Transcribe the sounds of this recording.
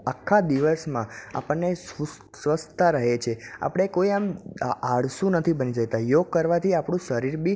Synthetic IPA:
akʰːad̪iʋəsmãa̰pəɳːesu | sʋəst̪ʰaɾəɦet͡ʃʰea̰pəɽ̃ekoiamaɽsũnət̪ʰibənid͡ʒəkt̪ajoɡ̚kəɾʋat̪ʰiapɳ̃ũʃəɾiɾbi

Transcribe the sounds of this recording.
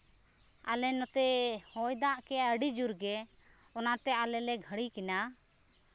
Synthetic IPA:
a̰lɛnɔt̪ɛhɔjd̪aʔkɛəɖid͡ʒuɾɡɛ | ɔnat̪ɛʔalɛlɛɡʱəɽikɛna

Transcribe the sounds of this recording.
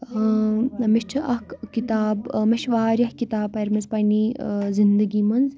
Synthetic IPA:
miʃt͡ʃʰɐʔɐhkkit̪aːbmɐʃʋaːɾʲɐhkit̪aːbɐɾmɐzpɐjniːzind̪əɡiːmɐnz

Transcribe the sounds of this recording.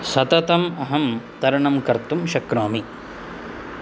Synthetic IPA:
sɐt̪ɐt̪ɐmɐɦɐmt̪ɐɾɐɳɐmkɐɾt̪umʃɐkɾaːmi

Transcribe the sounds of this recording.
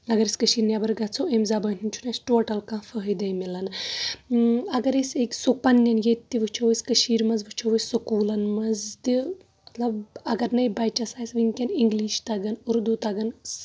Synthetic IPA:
ɐɡɐɾiskəʃiːɾnjabɐɾɡɐt͡sʰoemzabɐːnʲʰint͡ʃʰunɐsʈoːʈɐlkãːfəɦjd̪ɐjmilɐn | ɐɡɐɾeseksopɐnːɐnjet̪t̪ːiʋɨt͡ʃʰoʋɐskɐʃiːɾmɐzʋɨt͡ʃʰoʋɐsɐkuːlɐnmɐzt̪i | mɐt̪lɐbɐɡɐɾnɐjbɐjt͡ʃɐsaːsʋiŋkʲɐniŋɡliːʃt̪ɐɡɐnuɾd̪ut̪ɐɡɐns

